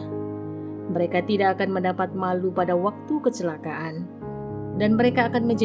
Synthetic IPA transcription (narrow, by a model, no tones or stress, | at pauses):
məɾekat̪idakːkanməndapat̪̚malupadawak̚t̪ukət͡ʃəlakaʔan | danməɾekaːkanməɲd͡ʒ